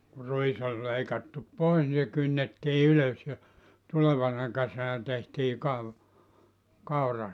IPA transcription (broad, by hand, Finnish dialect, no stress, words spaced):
ku ruis olʲ leikɑtːup pois ni se kynːetːiː yløs jɑ tuleʋɑnɑ kesænæ tehtiː kɑʋ kɑurɑ